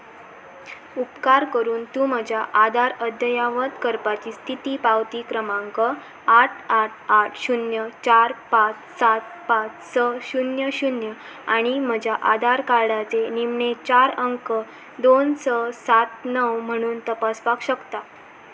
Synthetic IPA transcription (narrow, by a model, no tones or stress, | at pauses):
upkaɾkəɾuːnt̪ũm̤əd͡ʑʱjaʔad̪ʱaɾəd̪jəjaʋət̪kəɾpat͡ɕiːst̪ʰit̪iːpaʋt̪iːkɾəmãŋkə | aʈʰaʈʰaʈʰɕunjət͡ɕaɾpat͡s | sat̪̚pat͡ssəɕunjəɕunjə | aɽ̃im̤əd͡ʑʱjaʔad̪ʱaɾkaɾɽat͡senimɳet͡ɕaɾəŋkə | d̪onsəsat̪nəʋm̤əɽ̃uːnt̪əpaspakɕəkt̪a